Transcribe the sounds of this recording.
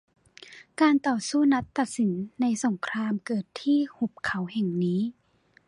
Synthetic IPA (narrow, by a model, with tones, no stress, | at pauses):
kaː˧nt̪ɔː˨˩suː˥˩na˦˥t̪ːa˨˩t̪̚si˩˦nːa˧jso˩˦ŋkʰɾaː˧mkɤː˨˩t̪ʰːiː˥˩hu˨˩p̚kʰa˩˦whɛ˨˩ŋniː˦˥